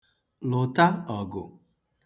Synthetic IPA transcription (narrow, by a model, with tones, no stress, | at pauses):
lʊ˨ta˦ɔ˨ɡʊ̰˨